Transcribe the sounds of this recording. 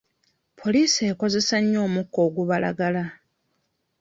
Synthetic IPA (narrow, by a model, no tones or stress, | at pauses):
pʰo̞liːse̞ːko̞ze̞saɲːo̞ːmukːo̞ːɡuβala̰ɡala